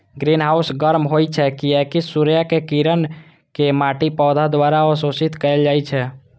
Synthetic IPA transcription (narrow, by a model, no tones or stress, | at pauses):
ɡɾinɦausɡəɾmɦojt͡ʃʰɛkiekisuɾjakekiɾən | kemaʈipɔd̪ʱad̪waɾaɔsosit̪kəɪld͡ʒajt͡ʃʰɛ